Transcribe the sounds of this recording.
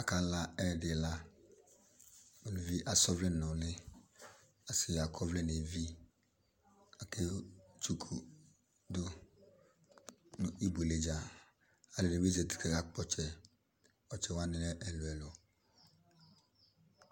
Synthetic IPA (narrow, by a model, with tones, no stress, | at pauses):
a˨ka˨la˦ɛ˦˨dɪ˨la˦ | o˨nʊ˨vi˦ʔa˨sɔ˦vlɪ˦nɔ˨lɪ˦ | a˨sɪ˨a˨kʰɔ˦vlɪ˦n˨e˨vi˦ | a˨ke˦t͡ʃu˨kʰu˨ | dʊ˦ | nʊ˨i˦be˨le˦d͡ʒa˨ | a˨le˨n˨e˨me˦ze˨ti̥˦kʰe˨ka˦k͡pɔ˦t͡ʃɛ˨ | ɔ˨t͡ʃɛ˨wa˦nɪ˦lɛ˦ʔɛ˨lʊ˨ɛ˨lɔ˨